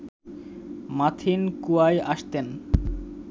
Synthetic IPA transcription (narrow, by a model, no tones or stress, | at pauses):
mat̪ʰinkuajaʃt̪en